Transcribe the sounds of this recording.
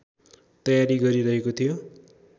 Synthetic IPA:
t̪ʌjaɾiɡʌɾiɾʌɦekot̪ʰijo

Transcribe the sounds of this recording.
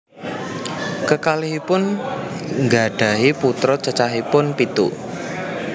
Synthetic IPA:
kəkaliɦipʊn | ŋɡa̤ɖ̥a̤ɦiput̪ɾɔt͡ʃət͡ʃaɦipʊnpit̪ṵ

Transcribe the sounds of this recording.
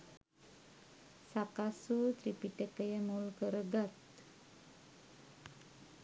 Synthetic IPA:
sakasut̪ɾipiʈəkəjəmulkəɾəɡat̪

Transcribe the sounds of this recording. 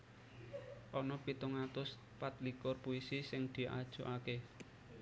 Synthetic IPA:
ʔɔnɔpit̪uŋat̪ʊs | pat̪̚likʊrpuisisɪŋd̪̥i̤ʔa̰d̥ʒ̥o̤ʔake

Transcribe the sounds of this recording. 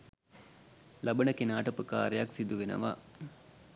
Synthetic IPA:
labənəkenaːʈəpəka̰ːɾejaksid̪uʋenə̰ʋa̰

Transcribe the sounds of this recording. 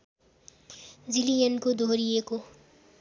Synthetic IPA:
d͡zilijənkod̪ʱoɾijeko

